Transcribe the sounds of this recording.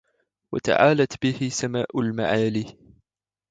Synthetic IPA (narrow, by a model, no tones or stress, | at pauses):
wa̰t̪a̰ʕaːlat̪bɪhɪsamaːʔʊlma̰ʕaːliː